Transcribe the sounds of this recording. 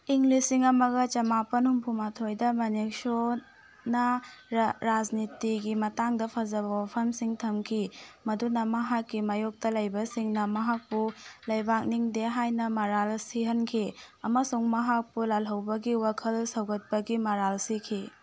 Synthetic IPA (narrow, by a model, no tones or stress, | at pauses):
iŋlisiŋɐmɐɡɐt͡ʃɐmapɐnhumpʰumatʰojdɐmɐnik̚so | nɐ | ɾad͡ʒnitiɡimɐtaŋdɐpʰɐzɐbɐwapʰɐmsiŋtʰɐmkʰimɐdunɐmɐɦakːimajuk̚tɐlɐjbɐsiŋnɐmɐɦak̚pulɐjbak̚niŋdeɦajnɐmɐɾalsiɦɐnkʰiɐmɐsuŋmɐɦak̚pulalɦɐwbɐɡiwakʰɐlsɐwɡɐt̚pɐɡimɐɾalsikʰi